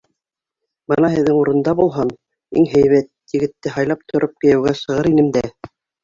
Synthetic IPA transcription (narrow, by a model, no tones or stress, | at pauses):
bɤnɑɦɘ̆ðːɘŋuɾɤ̆nd̪ɑbulˠɦɑn | ḭŋɦæjβæt̪jɘ̆ɡɘ̆t̪ːɘɦɑjlˠɑp̚t̪ʰŏɾʔop̚kɘ̆jæ̆wɡæʃɤ̆ʁɤɾinɘmd̪æ